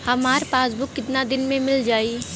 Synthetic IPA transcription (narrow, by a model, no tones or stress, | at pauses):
hɐmaːɾpaːsbʊkːɪt̪nad̪ɪnmẽmɪld͡ʒaːi